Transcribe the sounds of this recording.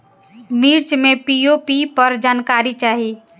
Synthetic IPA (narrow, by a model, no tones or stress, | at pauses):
miɾt͡ʃmepiopipəɾd͡ʒaːnkaɾit͡ʃaːɦi